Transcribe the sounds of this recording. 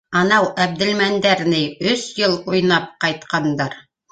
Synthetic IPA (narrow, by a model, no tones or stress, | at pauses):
ɑnɑwæb̚d̪ɘ̆lmænd̪æɾnɘɵsjɤlˠujnɑp̚qɑjt̪qɑnd̪ɑɾ